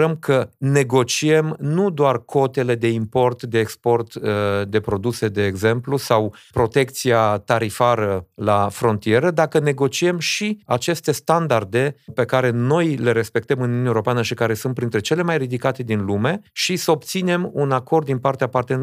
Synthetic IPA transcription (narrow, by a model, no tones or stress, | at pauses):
əmkʰəne̞ɡo̞t͡ʃie̞mnud̪oarkʰo̞t̪e̞le̞d̪e̞impo̞rt̪d̪e̞ːkspo̞rt̪əd̪e̞pɾo̞d̪use̞d̪e̞ːɡze̞mplusawpɾo̞t̪e̞kt̪siat̪aɾifaɾəlafɾo̞nt̪ije̞ɾəd̪akəne̞ɡo̞t͡ʃie̞mʃiat͡ʃe̞st̪e̞st̪and̪ard̪e̞pe̞kaɾe̞no̞jle̞ɾe̞spe̞k̚t̪əmɨnuunaeoɾo̞peanəʃikaɾe̞sunt̪pɾint̪ɾe̞t͡ʃe̞le̞majrid̪ikat̪e̞d̪inlume̞ʃisəop̚t̪sine̞munako̞rd̪ːinpart̪eapart̪en